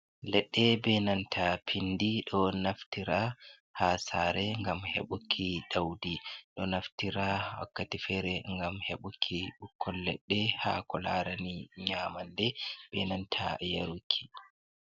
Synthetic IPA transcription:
lɛɗːɛbɛnantʰapʰindiɗɔnaftiɾa | hasaːɾɛŋɡamhḛɓukʰːiɗawdiɗɔnaftiɾawa̰kːatifɛɾɛŋɡamheɓukʰːiɓukʰːɔlːɛ̰ɗːɛhakɔlaɾaniɲaːmandɛb̥ɛnantʰa̰jaɾukʰːi̥

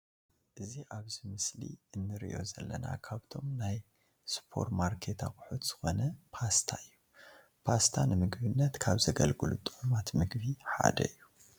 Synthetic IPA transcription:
ʔɨziʔaβzimɨslḭɨnːɨɾḭʔo̞zɐlːɐna̰kʰaβt̪ʰo̞mnaj | spʰo̞̰ɾmaɾkʰe̞t̪ʰakʼʊħut̪z̥ɨ̥xo̞nɐpʰast̪ʰaɨjːu | pʰast̪ʰanɨmɨɡbɨnːɐt̪kʰaβzɐɡɐlɡɨlut̪ʼɨʕumat̪mɨɡbiħa̰d̪ɐ̰ɨjːu

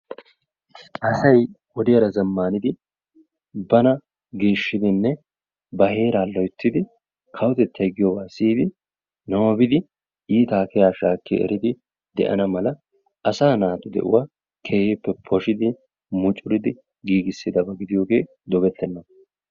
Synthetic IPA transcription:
ʔɐsɐj | wɔd̪ɪjɐɾɐzɐmːaːnɪd̪ɪ | bɐnɐ | ɡeːʃːɪd̪ɪnːɛ | bɐhe̞ːɾaːlɔjt̪ːɪd̪ɪ | kʰɐwʊt̪ɛt̪ːɐjɡɪjɔwaːsiːd̪ɪ | nɐwɔbɪd̪ɪ | iːt̪aːkɛjaːʃaːkːɛ̰ʔɛ̰ɾɪd̪ɪ | d̪ɛ̰ʔɐ̰nɐmɐlɐ | ʔɐsaːnaːt̪ʊd̪ɛ̰ʔʊ̰waː | kʰe̞ːhepːɛpʰɔʃɪd̪ɪ | mʊt͡ʃʼʊɾɪd̪ɪ | ɡiːɡɪsːɪd̪ɐbɐɡɪd̪ɪjo̞ːɡe̞ː | d̪ɔɡɛt̪ːɛnːɐ

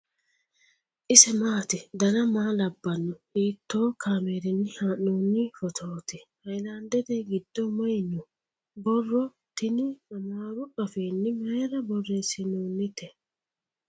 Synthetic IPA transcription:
ʔɪsɛmaːt̪ɪd̪ɐnɐmaːlɐbːɐnːɔiːt̪ːoːkʰaːmeːɾɪnːɪhaːʔnoːnːɪfɔt̪ʰoːt̪ɪhɐjlaːnd̪ɛd̪ɛɡɪd̪ːɔmɐjnɔ | bɔrːɔ | t̪ɪnɪɐmaːɾʊʔɐfeːnːɪmeːɾɐbɔrːesɪnoːnːɪt̪ɛ

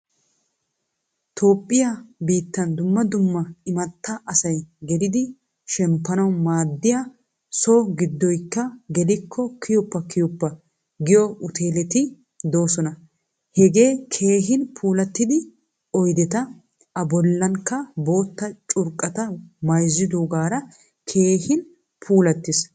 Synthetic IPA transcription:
t̪ʰo̞ːpʼːɪjabiːt̪ːɐnd̪ʊmːɐd̪ʊmːɐɪmɐt̪ːɐʔɐsɐjɡɛlɪd̪ɪ | ʃɛmpːɐnɐwmaːd̪ːɪjɐ | soːɡɪd̪ːɔjkːɐɡɛlɪkʰːɔkʰɪjʊpːɐkɪjʊpːɐ | ɡɪjɔʔʊt̪e̞ːlɛt̪ɪ | d̪o̞ːsɔnɐ | hɛɡe̞ːkʰe̞ːɦɪnpʰuːlɐt̪ːɪd̪ɪ | ɔjd̪ɛt̪ɐ | ɐbɔlːɐŋkːɐbo̞ːt̪ːɐt͡ʃʼʊɾkʼɐt̪ɐmɐjzːɪd̪uɡaːɾɐ | kʰe̞ːhɪn | pʰuːlɐt̪ːɪs

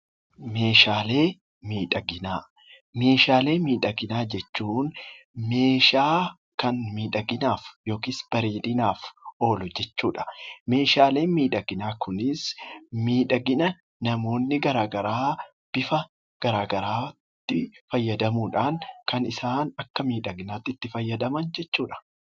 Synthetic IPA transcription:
me̞ːʃaːle̞ː | miːᶑɐɡɪnaː | me̞ːʃaːle̞ːmiːᶑɐɡɪnaːd͡ʒɛt͡ʃːuːnme̞ːʃaː | kɐnmiːᶑɐɡɪnaːfjo̞ːkɪːsb̥ɐɾeːᶑɪnaːfo̞ːlʊd͡ʒɛt͡ʃːuːᶑɐ̥me̞ːʃaːle̞ːnmiːᶑɐɡɪnaːkʊnɪsmiːᶑɐɡɪnɐ | nɐmo̞ːnːɪɡɐɾaːɡɐɾaː | b̥ɪfɐ | ɡ̥ɐɾaːɡɐɾaːt̪ːɪfɐjːɐd̪ɐmuːᶑaːŋkɐnɪsaːnɐkːɐmiːᶑɐɡɪnaːt̪ːɪt̪ːɪfɐjːɐd̪ɐmɐnd͡ʒɛt͡ʃːuːᶑɐ̥

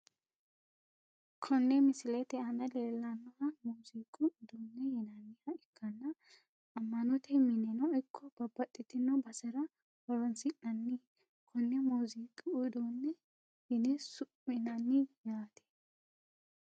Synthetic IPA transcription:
kʰɔnːɛmɪsɪlɛt̪ɛɐnɐleːlːɐnːɔhɐmuːziːkʼʊːd̪uːnːɛhɪnɐnːɪhɐɪkʰːɐnːɐ | ɐmːɐnɔt̪ɛmɪnɛnɔɪkʰːɔb̥ɐbɐt̪ʼːɪt̪ːɪnɐbɐsɛɾɐ | wɔɾɔnsɪnɐnːɪ | kʰɔnːɛmuːziːkʼɪʊd̪uːnːɛ | hɪnɛsʊpːɪnɐnːɪjaːt̪ʰɛ̥

